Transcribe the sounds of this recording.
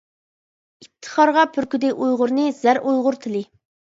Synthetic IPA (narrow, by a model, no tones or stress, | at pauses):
ip̚t̪ʰːə̥χɑɾʁɑpʰyɾkʲyd̪ɪʔujʁʊɾnɨɪz̥æɾʔujʁʊɾt̪ʰɪlɪ